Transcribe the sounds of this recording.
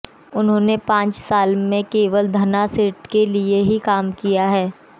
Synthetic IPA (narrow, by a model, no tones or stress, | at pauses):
ʊnɦõːnepãːt͡ʃsaːlmẽkeːʋəld̪ʱɐnasɪʈkelieɦikaːmkijaɦɛː